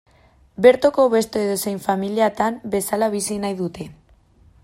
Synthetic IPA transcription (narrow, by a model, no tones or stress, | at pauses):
be̞ɾt̪okoβe̞st̪oeðosejɱfamiliat̪anbe̞salaβisinajðut̪e̞